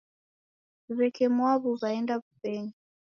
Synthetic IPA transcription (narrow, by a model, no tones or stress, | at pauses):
βɛkʰɛmwaβuzaɛndaβupɛɲi